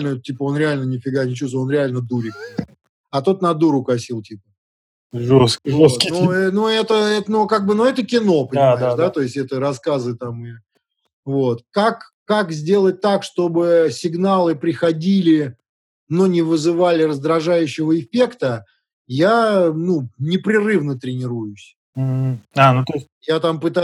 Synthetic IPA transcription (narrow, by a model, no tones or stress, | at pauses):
lʲnətʲipəo̞nɾʲɪalʲnənʲɪfʲɪɡanʲɪt͡ɕusvəonɾʲɪalʲnəd̪uɾʲɪk̚p | ɐt̪o̞t̪nɐd̪uɾʊkɐsʲilˠtʲipə | ʐoskvot̪nuɛnuɛt̪əɛt̪nukaɡ̚bɨnuɛt̪əkʲɪno̞pənʲɪmajd̪ɪʃd̪at̪o̞ɪsʲɛt̪əɾɐskazɨt̪amɨ | vo̞t̪kakː | akzʲdʲe̞lˠət̚ʲt̪akʂt̪o̞bɨsʲɪɡnalˠɨpɾʲɪxɐdʲilʲɪ | nonʲɪvɨzɨvalʲɪrəzd̪ɾɐʐajʉɕːɪvəɪfʲe̞kt̪ə | janunʲɪpɾʲɪrɨvnət̪ɾʲɪnʲɪɾujʊsʲ | m̩anut̪osʲ | jat̪ampɨt̪a